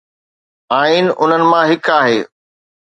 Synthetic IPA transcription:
aːiːnɪʔʊn̤ənɪ̆mãɦɪkaːɦeː

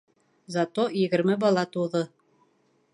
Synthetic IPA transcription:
zɑt̪ojɘ̆ɡɘ̆ɾmɘbɑlˠɑt̪uðɤ

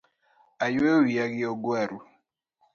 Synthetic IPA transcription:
ajwewiaɡɪɔɡwɛɾu

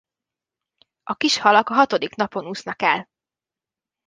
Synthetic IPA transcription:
ʔɒkiʃhɒlɒkɒɦɒt̪o̞d̪iknɒpo̞nuːsnɒkɛl

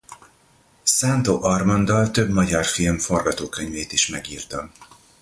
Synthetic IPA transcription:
saːnt̪oːʔɒrmɒnd̪ɒlt̪ø̞bmɒɟɒrfilmfo̞rɡɒt̪oːkøɲveːt̪iʃmɛɡiːrt̪ɒm

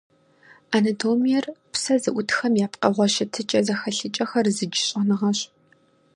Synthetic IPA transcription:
anɐtʰoːmijɛrpsɐzɨʔʷʊtxɐmjaːpqɐ̰ʁʷɔʃɐtʰɨt͡ʃʼɐzɐxɐɬɨt͡ʃʼɐxɐrzɨd͡ʒɪɕʼɪnɨʁɐɕ

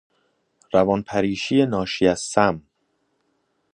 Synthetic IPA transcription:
ɾævɒnpʰæɾiːʃijenɒːʃiæz̥sæm

